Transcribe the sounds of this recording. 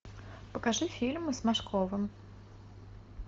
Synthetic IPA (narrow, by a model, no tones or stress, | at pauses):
pəkaʐɨfʲilʲmɨzmaʂkʰɔvɨm